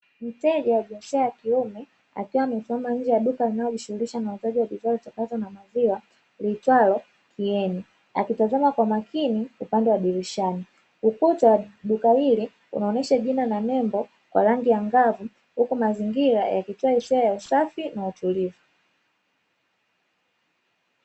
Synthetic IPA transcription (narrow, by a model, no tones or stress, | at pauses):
m̩tɛʄawaɓasɛajakiumɛ | a̰kiwamifuamaɲ̩d͡ʒɛjaɗukalinajɔʄiʃuhuɾiʃanauzaʄiwavitwalɔt͡ʃakatɔnamaziwa | litwalɔ | kʰiɛni | a̰kitazamakwamakiniupandɛwaɗiɾiʃani | ukutaɗukahili | ṵnaɔnɛʃaʄinananɛmbɔ | kwa̰ɾaŋɡijaŋɡavu | hukumaziŋɡiɾajakituaisɛajausafinautulivu